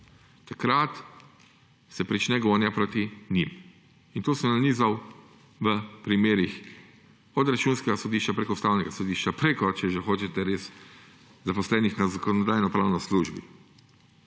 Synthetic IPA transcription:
t̪akɾat̪ | sɛpɾit͡ʃnɛɡoːnjapɾoːt̪inim | int̪oːsəmnaniːzaw | ʋəpɾimeːɾix | ɔd̪ɾat͡ʃuːnskɛɡasɔd̪iːʃt͡ʃapɾekɔust̪aːwnɛɡasɔd̪iːʃt͡ʃapɾekɔt͡ʃɛʒɛxoːt͡ʃɛt̪ɛɾeːs | zapɔslɛːnixnazakɔnɔd̪aːjnɔpɾaːwnɔsluʒbḭ

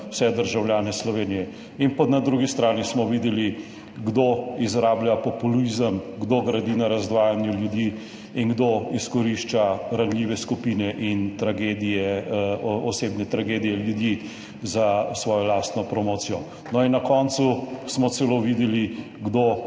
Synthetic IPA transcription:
w̥sɛd̪əɾʒawljaːnɛslɔʋeːnijɛ | inpɔt̪nad̪ɾuːɡist̪ɾaːnismɔʋid̪ɛli | ɡd̪oizɾaːbljapɔpulizəmɡd̪oɡɾad̪inaɾazd̪ʋaːjanjuljud̪i | inɡd̪oiskɔɾiʃt͡ʃaɾanlʲiːʋɛskupiːnɛʔint̪ɾaɡed̪ijɛ | ɔseːbnɛt̪ɾaɡed̪ijɛljud̪ji | zasʋɔːjɔlast̪nɔpɾɔmoːt̪sijɔ | nɔinːakɔːnt̪susmɔt̪sɛloʋid̪ɛli | ɡd̪o

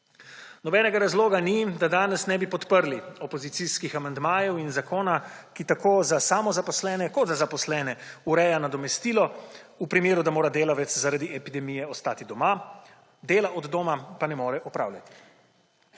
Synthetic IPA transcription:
nɔbɛːnɛɡaɾazloːɡanid̪ad̪aːnɛsnɛbipɔt̪pəɾliɔpɔzit̪siskixamand̪maːjɛwinzakoːnakit̪akoːzasaːmɔzapɔslɛːnɛkɔt̪zazapɔslɛnɛuɾɛːjanad̪ɔmɛst̪iːlɔupɾimeːɾud̪amoːɾad̪eːlaʋɛt̪szaɾad̪iʔɛpid̪ɛmijɛɔst̪aːt̪id̪ɔma | d̪eːlaʔɔd̪d̪oːmapanɛmoːɾɛʔɔpɾa̰ːwlʲjat̪i̥

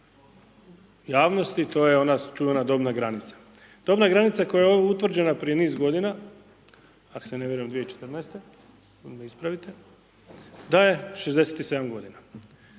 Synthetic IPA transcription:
jaːʋno̞st̪it̪o̞ːjeo̞nat͡ʃuʋenad̪o̞ːbnaɡɾanit̪sḁ | d̪̥o̞bnaɡɾanit̪sako̞jajeout̪ʋr̩d͡ʑe̞napɾije̞niːzɡo̞d̪ina | akoseneʋjeɾuemd̪ʋijeit͡ʃet̪ɨrnajst̪e̞ | neispɾaʋit̪e̞ | d̪ajeʃezd̪e̞set̪ise̞d̪amɡo̞d̪ina

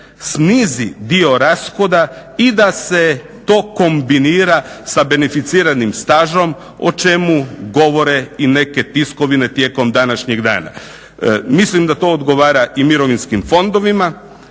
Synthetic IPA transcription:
sniːzid̪io̞ɾasxo̞d̪aid̪ase̞ | t̪o̞ːko̞mbiniːɾasabe̞nefit̪siːɾanimst̪aːʒo̞m | o̰t͡ʃe̞muɡo̞ʋo̞ɾe̞ine̞ke̞t̪isko̞ʋine̞t̪je̞ːko̞md̪anaʃɲeɡd̪a̰ːna̰ | mislimd̪at̪o̞od̪ɡo̞ʋaːɾaʔimiɾo̞ʋinskimfo̞nd̪o̞ʋima

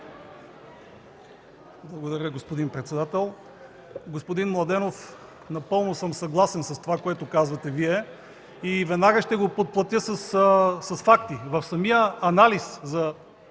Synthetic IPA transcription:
blˠɐɡod̪ɐɾʲəɡospod̪inpɾɛt̪sɛd̪at̪ɛlˠ | ɡospod̪inmlˠɐd̪ɛnof | nɐpɤlˠnosɤmsɐɡlˠasɛnsɐst̪ovakoɛt̪ʊkazvɐt̪ɛviɛ | ivɛd̪naɡəʃt̪ɛɡopot̪̚plˠɐt̪ʲjəsəssɐsfakt̪ivɐfsɐmijəːnaliszɐ

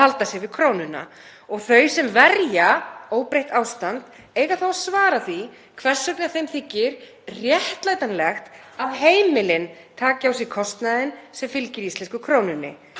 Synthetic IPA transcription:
alt̪asjɛɣvɪðkʰɾoːwnʏna̰ | ɔɣθœɥsɛmvɛɾjaoːwpɾejht̪aːwst̪ant̪ | eːjɣaθawsvaːɾaθi | kʰvɛr̥sœk̪naθejmθɪcːɪɾ̥ | rjɛht̪laːjt̪anlɛxt̪ | aðɦeːjmɪlɪnt̪ʰaːcawsɪkʰɔst̪naðɪnsɛmfɪlcɪɾjist̪ɛskʏkʰɾoːwnʏnːɪ̰

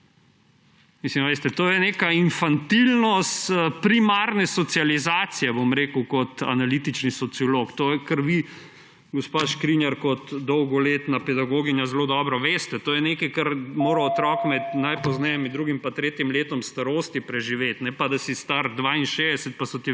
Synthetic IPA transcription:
mislimʋeːst̪ɛt̪oːjɛneːkainfant̪ilnɔst̪əpɾimaːɾnɛsɔt̪sializaːt̪sijɛbomɾeːkəwkɔt̪a̰nalit̪it͡ʃnisɔt̪siɔlokt̪ojɛkəɾʋi | ɡɔspaʃkɾinjɛɾkɔt̪d̪ɔwɡɔleːt̪napɛd̪aɡoːɡinjazɛlod̪ɔːbɾɔʋeːst̪ɛt̪oːjɛneːkɛkaɾmoːɾaɔt̪ɾɔkmɛt̪najpɔznɛjɛmid̪ɾuːɡimpat̪ɾeːt̪jimleːt̪ɔmst̪aɾoːst̪ipɾɛʒiʋeːt̪nɛpad̪asist̪aɾd̪ʋainʃed̪ɛsɛt̪̚pasɔt̪i

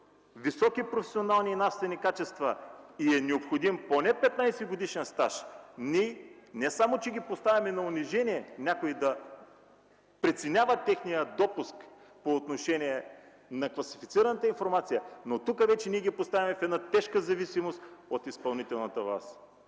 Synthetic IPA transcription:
visɔkipɾofɛ̥sionalˠniːnafst̪vɛnikat͡ʃɛst̪vɐiɛnɛopxod̪imponɛpɛt̪najsɛɡod̪iʃɛnst̪aʃnʲinɛsamot͡ʃɛɡʲipost̪avʲɐmɛnɐʊniʒɛnʲiɛnʲakoid̪ɐ | pɾit̪sɛnʲavət̪ːɛxnijəd̪ɔpusk | poːt̪noʃɛniɛ | nɐkvɐsifit̪siɾɐnət̪əinfoɾmat̪sijənot̪ukəvɛt͡ʃɛniɛɡʲipost̪avʲimɛfɛd̪nat̪ɛʃkəzɐvisimost̪ot̪ispɐlˠnit̪ɛlˠnɐt̪əva̰s

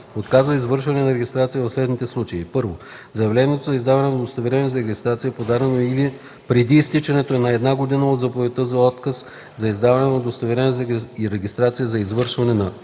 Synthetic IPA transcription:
ot̪kazvɐizvɤɾʃvɐnɛnɐɾɛɡʲist̪ɾat̪sijəvɐfslɛd̪nit̪ɛslˠut͡ʃɐḭpɤɾvozɐjɐvlɛniɛt̪ozɐizd̪avɐnɛnɐd̪ost̪ɐvɛɾɛnizɐɾɛɡʲist̪ɾat̪sijəpod̪aɾɛnoili | pɾɛd̪iːst̪it͡ʃɛnɛt̪oɛnɐɛd̪naɡod̪inəod̪zɐpovɛt̪əzɐɔt̪kəs | zɐizd̪avɐnɛt̪nɐd̪ost̪ɐvɛɾɛnzɾɛɡʲist̪ɾat̪sijəzɐizvɤɾʃvɐnɛnɐ

